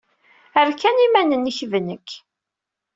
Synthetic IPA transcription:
əɾkːænimænənːiçvənəkː

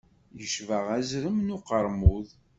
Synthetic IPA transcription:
jəʃvəʁæzɾəmnʊqəɾˤmuð

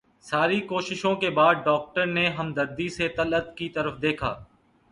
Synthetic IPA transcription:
saːɾikoːʃɪʃõkebaːd̪̚ɖɔːk̚ʈəɾneɦɐmd̪ɐɾd̪iset̪ɐlət̪kit̪ɐɾəfd̪eːkʰa̰ː

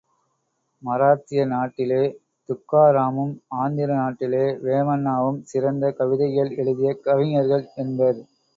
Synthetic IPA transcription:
mɐɾaːt̪ɪjɐnaːʈːɪleː | t̪ʊkːaːɾaːmɯmaːnd̪ɪɾɐnaːʈːɪleːʋeːmɐnːaːʋɯmsɪɾɐnd̪ɐkɐʋɪðɐjɐlɛɭɯðɪjɐkɐʋɪŋɐɾɣɐɭɛnbɐɾ

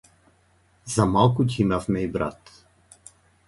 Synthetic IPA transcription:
zamalˠkʊcʲimafmɛibɾa̰t̪

